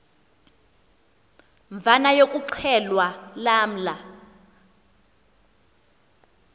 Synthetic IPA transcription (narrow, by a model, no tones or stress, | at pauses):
ɱb̪vanajokʼuǀʰɛlwalaːm̩la